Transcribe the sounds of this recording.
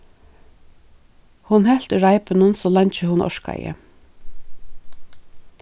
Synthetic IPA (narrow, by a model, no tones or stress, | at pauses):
hʊnɦɛl̥t̪ʏɹaɪpɪnʊnsɔlɑɲt͡ʃəhʊnɔ̰ʃka̰jə̰